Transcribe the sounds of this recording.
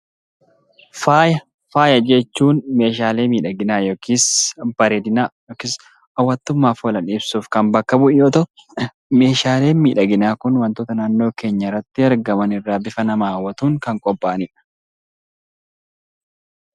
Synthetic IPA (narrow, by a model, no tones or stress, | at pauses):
faːj | faːjɐd͡ʒɛt͡ʃːuːnme̞ːʃ̬aːle̞ːmiːᶑɐɡɪnaːjoːkʰiːsb̥ɐɾeːd̪ɪnajoːkɪs | ɐwːɐt̪ːʊmːaːfoːlɐnɪbsuːfkɐnbɐkːɐbʊʔjoːt̪ɐ | me̞ːʃaːle̞ːnmiːᶑɐɡɪnaːkʊnwɐnt̪oːt̪ɐnaːnːo̞ːke̞ːɲːɐɪrːɐt̪ːɪɐɾɡɐmɐnɪrːaːbɪfɐnɐmaːwːɐt̪uːŋkɐŋkʼɔpʼːaʔɐnɪᶑɐ̥